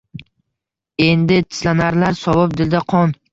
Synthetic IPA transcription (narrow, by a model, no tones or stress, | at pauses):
e̞nd̪ɪt̪ʰɪ̥slanaɾlaɾsɒbɒp̚d̪ɪld̪aqʰɒn